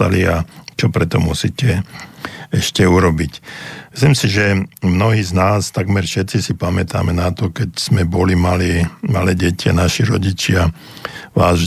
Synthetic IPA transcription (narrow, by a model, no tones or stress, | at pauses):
a̰liat͡ʃɔpɾɛt̪ɔmusicɛ | ɛʃcɛuɾɔbicmislimsiʒɛmnɔɦiːznaːst̪aɡmɛɾfʃɛt̪sisipamɛt̪a̰ːmɛnat̪ɔkɛcz̥mɛbɔlimaliːmalɛːɟɛcia̰naʃiɾɔɟit͡ʃɪa | ʋaːz